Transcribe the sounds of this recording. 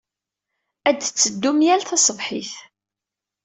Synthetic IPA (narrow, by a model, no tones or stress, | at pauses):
æd̪t͡sːəd̪ːumjælθɑsˤəvˤħiθ